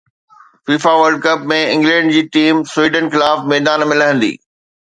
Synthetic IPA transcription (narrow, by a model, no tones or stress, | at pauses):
fiːfaʋəɾɖ̚kɐpmẽɪ̃ŋɡlɛ̃ːɳɖd͡ʑiːʈiːmswiːɖənxɪlaːfmɛːd̪aːnmeɪ̃lɐɦə̃nd̪ḭː